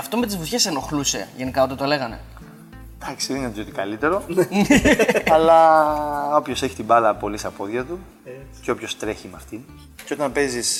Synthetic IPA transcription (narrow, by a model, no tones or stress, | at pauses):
ɐft̪o̞me̞t̪̬izvuθçe̞seno̞xluse̞̰ʝe̞nikɐot̪ɐt̪ole̞ɣɐne̞̰ | d̪̥ɐksiðnɐziot̪ikɐlit̪e̞ɾo̞nɐlɐ | o̞pço̞se̞çi̥t̪ibɐðɐpo̞list̪ɐpo̞ðʝɐt̪u | ceo̞pço̞st̪ɾe̞çimɐft̪i | ceo̞t̪ɐmpe̞zis